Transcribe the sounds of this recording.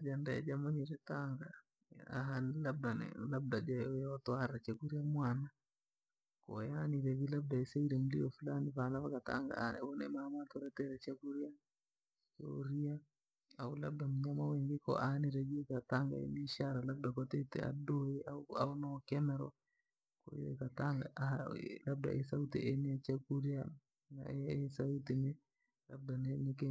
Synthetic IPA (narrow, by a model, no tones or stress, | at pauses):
d͡ʒandɛ̰d͡ʒamɔɲɛɾɛtaŋɡa | a̰ɦanilab̚danɛ̰lab̚dad͡ʒaɔjaɔtwaɾat͡ʃakuɾiamwana | kɔ̰janiɾɛβilab̚daisɛiɾɛmuliɔfulanivalaβakat̪a̰ŋɡa̰nɛ̰βɔnɛ̰mamat̪ɔɾɛt̪ɛɾɛt͡ʃakuɾia | t͡ʃo̰ɾia | awulab̚damɲamawɛŋɡikɔ̰ʔaniɾeɡikat̪aŋɡa̰ḛniʃaɾalab̚dakɔt̪ɛt̪ɛ̰a̰dɔjɛawawnɔkɛmɛɾɔ | ko̰ḭɛ̰kat̪aŋɡa̰ | lab̚da̰ʔɛsawt̪iɛniat͡ʃaɡuɾija | na̰ɛsawt̪imɛ | lab̚danɛnike